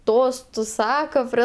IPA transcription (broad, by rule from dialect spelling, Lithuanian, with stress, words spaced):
ˈtoːs ˈsɑːkoː pʲrʲiɛ